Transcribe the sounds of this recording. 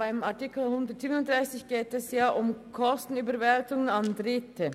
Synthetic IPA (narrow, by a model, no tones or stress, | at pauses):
b̥aɪmaɐtikl̩hʊndətz̥iːbənʊntd̥ʁaɪsɪçɡ̥eːtɛsjaːʔʊmkʰɔstn̩yːbəvɛltʊŋənandʁɪtʰə